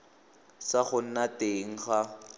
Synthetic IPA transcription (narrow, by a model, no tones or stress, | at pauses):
saχʊn̩nateŋ̩χa